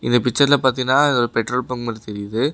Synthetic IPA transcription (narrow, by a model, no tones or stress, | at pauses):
ʔɪ̰nd̪ɐpɪt͡ʃːɐɾɪlɐpaːɾt̪inːaːɐɔɾɯpɛʈroːlpɐŋɡmɐlɐt̪ɛɾɪjɐðɯ